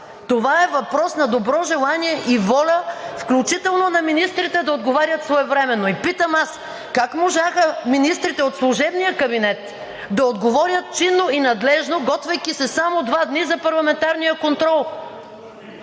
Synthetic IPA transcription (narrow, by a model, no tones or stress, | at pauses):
t̪ovaɛvɐpɾɔsnɐd̪obɾɔʒɛlˠaniɛʔivɔlʲəfklʲut͡ʃit̪ɛlˠnonɐminist̪ɾit̪ɛd̪ɐod̪ɡovaɾjət̪svɔɛvɾɛmɛnoipit̪əmas | kakmoʒaxəminist̪ɾit̪ɛot̪slˠʊʒɛbnijəkɐbinɛt̪ | d̪ɐod̪ɡovɔɾjət̪̚t͡ʃinːoinɐd̪lɛʒnoɡɔt̪vɐjkʲisɛsamod̪vad̪nizɐpɐɾlˠɐmɛnt̪aɾnijəkont̪ɾɔlˠ